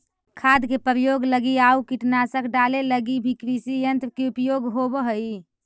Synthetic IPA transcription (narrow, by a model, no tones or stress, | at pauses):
kʰad̪kepəɾjoɡləɡiaukiʈnasəkʰɖaleləɡibʱikɾisijənt̪ɾəkeupjoɡɦobəɦəi